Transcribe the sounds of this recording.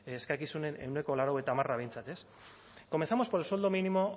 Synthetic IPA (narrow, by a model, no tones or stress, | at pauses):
eskajkisune̞ne̞̰wne̞ko̞laɾawe̞t̪aːmaraβe̞jnt͡sat̪e̞s | kome̞nθamo̞spoelso̞ld̪o̞minimo̞